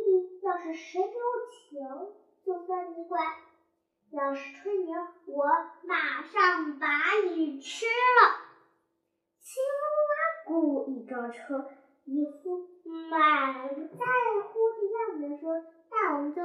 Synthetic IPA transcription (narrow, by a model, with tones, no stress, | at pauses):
i˧˥jɑ˥˧ʊʂɻ̩˥˩ʂɻ̩˧˥tjo˧˥ʊt͡ɕʰɛ˧˥ŋ | t͡ɕjo˥˧fa˥ni˧˥kwa˥˩ | jɑ˨˧˩ʊʂɻ̩˥˩ʈ͡ʂʰwe˥ɪni˧˥ŋwɔ˧˥ma˨˩ʂɑ˥˩ŋpa˧˥i˨˩ʈ͡ʂ̩ʰ˥lə˨ | t͡ɕʰi˥ŋwa˥ku˨˩i˨˩kɑ˥˩ʈ͡ʂʰɤ˥ | i˧˩xu˥˩a˨˩˨t͡sa˥˩ɪxu˥i˧˥t̪a˥˩˨ə˧˥ʂwɔ˥na˥˩wɔ˨˩mə˦nt͡ɕjo˥˧˩